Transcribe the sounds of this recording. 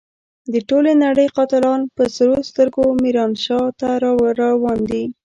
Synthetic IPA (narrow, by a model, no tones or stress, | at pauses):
d̪əʈolenaɽəjqɑt̪ɪlɑnpəsɾost̪əɾɡomiɾɑnʃɑt̪aɾɾɑwɑnd̪i